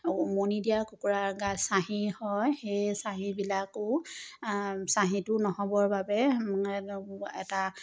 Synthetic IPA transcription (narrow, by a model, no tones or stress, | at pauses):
monidijakukuɹaɹɡasaɦihɔjxejsaɦibilakʊ | saɦitʊnɔhɔbɔɹbabɛ | ɛ̰ta